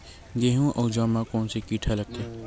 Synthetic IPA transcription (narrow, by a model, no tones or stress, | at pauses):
ɡeːɦũʔɔːd͡ʒaːmakɔːnsekiːʈʰalɐɡ̚t̪e